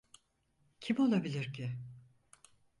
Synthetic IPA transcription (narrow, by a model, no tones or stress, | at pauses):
cʰimo̞lˠabilʲiɾcʰɪ